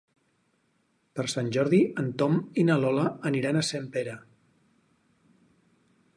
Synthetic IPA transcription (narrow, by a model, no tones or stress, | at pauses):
pəɾsanʲʒɔɾðiənt̪ɔminəlɔləːniɾanəsempeɾə